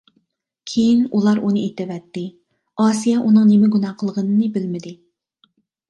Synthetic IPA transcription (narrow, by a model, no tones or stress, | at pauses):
kʲʰejinulˠɑɾunɨet̪ɪvɛt̪ːɪ | ɑːsijɑʔunɨŋnemɪɡunɑqʰəlˠʁənɨnɨbɪlmɪd̪ɪ